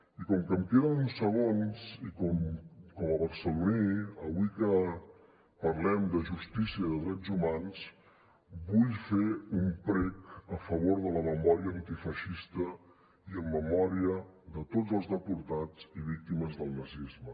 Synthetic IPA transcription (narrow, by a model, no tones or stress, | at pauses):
ikɔmkəmpjoaunsəɣonzikɔmkɔməβəɾsəluniəβwikə | pəɾlɛmd̪əʒust̪isiəðəðɾɛd͡zumans | buʎfeumpɾɛkəfəβoɾðələməmɔɾiəːnt̪ifəʃist̪ə | iəmːəmɔɾiəðət̪od͡zəlˠzðəpuɾt̪ad͡ziβ̞ik̚t̪iməzðəlˠnəzizmə